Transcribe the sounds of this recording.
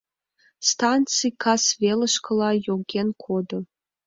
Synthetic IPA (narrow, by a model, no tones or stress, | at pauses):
st̪ɑnt̪t͡sɨjkʰɑsvʲelə̆ʂkɤ̆lˠɑjoɡʲenkʰod̪ɤ̆